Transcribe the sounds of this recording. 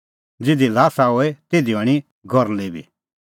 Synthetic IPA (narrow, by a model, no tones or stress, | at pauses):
d͡zɪd̪ilaːsaoɛt̪eːd̪iɔɽ̃i | ɡʱɔɾleːbḭ